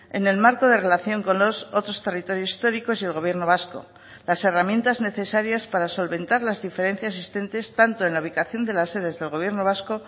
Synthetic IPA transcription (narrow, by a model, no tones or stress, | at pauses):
e̞̰ne̞lmaɾko̞ð̞e̞re̞laθjo̞ŋko̞nlo̞so̞t̪ɾo̞st̪e̞rit̪o̞ɾjo̞si̥st̪o̞ɾiko̞sie̞lɣo̞β̞je̞ɾno̞βasko̞̰ | lase̞ramjẽ̞nt̪azne̞θe̞saɾjaspaɾaso̞lβe̞nt̪aɾlazðife̞ɾe̞n̟θjas̬ist̪e̞nt̪e̞st̪ant̪o̞e̞nlauβ̞ikaθjo̞nd̪e̞lase̞ðe̞zðe̞lɣ̞o̞β̞je̞ɾno̞β̞asko̞